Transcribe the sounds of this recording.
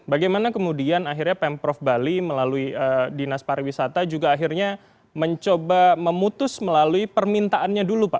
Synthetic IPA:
baɡajmanakəmudianaɦirɲapɛmpɾɔfbaliməlaluiədinaspaɾiwisat̪ad͡ʒuɡaːɦirɲa | məɲt͡ʃobaməmut̪ʊsməlaluipərmint̪aʔanɲadulupaʔ

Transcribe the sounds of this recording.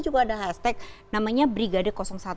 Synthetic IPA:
d͡ʒuɡaːdaɦast̪ɛk̚namaɲabɾiɡadɪrkɔsɔŋsat̪

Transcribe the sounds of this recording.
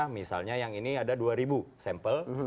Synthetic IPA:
misa̰lɲajaŋiniadaduaɾibusɛmpəl

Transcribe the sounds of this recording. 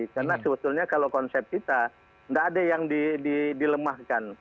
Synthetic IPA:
karnasəbət̪ʊlɲakalokɔnsɛp̚t̚kit̪a | ndaːdajaŋdididiləmahkan

